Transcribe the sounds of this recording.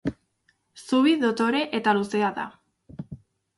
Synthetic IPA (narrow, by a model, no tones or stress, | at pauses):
suβiðo̞t̪o̞ɾe̞ʔe̞t̪aluse̞aða̰